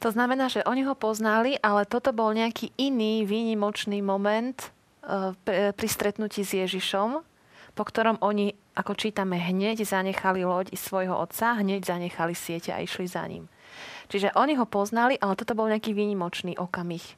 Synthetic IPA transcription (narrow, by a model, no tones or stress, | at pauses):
t̪ɔznamɛnaːʒɛʔɔɲiɦɔpɔznaliʔalɛt̪ɔt̪ɔbɔlɲɛakiːʔiniːʋiːɲimɔt͡ʃniːmɔmɛnt̪ː | ppɾist̪ɾɛt̪nuciːzjɛʒiʃɔm | pɔkt̪ɔɾɔmʔɔɲiʔakɔt͡ʃiːt̪amɛɦɲɛɟzaɲɛxalilɔɟisʋɔjɦɔʔɔt̪saɦɲɛɟzaɲɛxalisɪɛcɛa̰ḭʃliza̰ɲḭm | t͡ʃiʒɛʔɔɲiɦɔpɔznaliʔalɛt̪ɔt̪ɔbɔlɲɛakiːʋiːɲimɔt͡ʃniːʔɔkamix